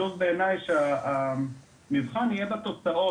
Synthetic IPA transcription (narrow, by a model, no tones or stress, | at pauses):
uzbeːnajʃeaa | mivχanijebat̪ot͡saʔo